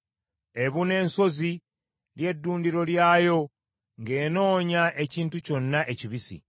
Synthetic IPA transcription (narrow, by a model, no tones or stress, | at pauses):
e̞βune̞ːnso̞zi | lje̞dːuːndiɾo̞ljaːjo̞ | ŋɡe̞ːno̞ːɲaʔe̞ciːntuco̞nːaʔe̞ciβisḭ